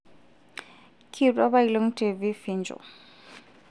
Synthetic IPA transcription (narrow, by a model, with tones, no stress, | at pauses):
kʰi˨tʼa˦βa˦ilo˦ŋ̩˦tʰe˨vi˦fi˦nd͡ʒɔ̰˨